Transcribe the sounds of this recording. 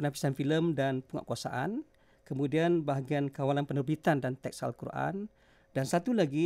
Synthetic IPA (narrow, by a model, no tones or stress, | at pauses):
pənafi̥sanfiləmdanpuŋa̰ʔkuasa̰ʔa̰n | kəmudianbaɦaɡiankawalanpənərbit̪andant̪ɛksa̰lkuɾʔa̰n | dansat̪ulaɡi